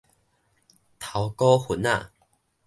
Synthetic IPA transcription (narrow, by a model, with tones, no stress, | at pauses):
t̪ʰa˨˦wkɔ˦hu˨˦na˧˨